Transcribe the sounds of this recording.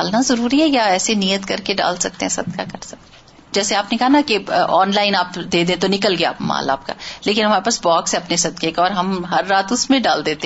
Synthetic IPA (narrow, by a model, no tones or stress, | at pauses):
aːlnazɐɾuːɾiɦɛjaɛːsenijət̪kɐɾkeɖa̰ːlsɐk̚t̪eɦɛ̃sɐd̪̚kakɐɾsɐk̚t̪ | d͡ʒɛːseaːpnekɐɦanakeʔɔːnlaːɪnaːpd̪eːd̪ẽt̪onɪkəlɡejaːpma̰ːla̰ːp̚ka̰ːleːkɪ̃nɦɐmaːɾepaːsbɔːkseɐpnesɐd̪kekɔːɾɦɐmɦɐɾːaːt̪ʊsmẽɖaːld̪eːt̪eɦ